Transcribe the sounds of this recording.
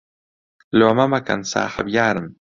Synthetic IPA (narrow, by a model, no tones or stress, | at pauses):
loamamaka̰nsa̰ːħa̰bjaːɾəm